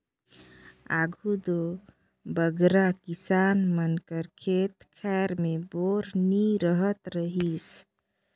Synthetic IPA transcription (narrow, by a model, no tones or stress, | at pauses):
a̰ɡʱud̪o | bəɡɾakisanmənkəɾkʰet̪kʰɛɾmeboɾniɾəɦət̪ɾəɦis